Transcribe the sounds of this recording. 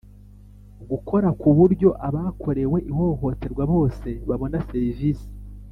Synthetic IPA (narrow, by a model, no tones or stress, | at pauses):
ɡukʰo̞ɾakuβuɾɟo̞ʔaβakʰo̞ɾe̞we̞ʔiho̞ho̞te̞ɾɡwaβo̞ːse̞βaβonaseɾivisi̥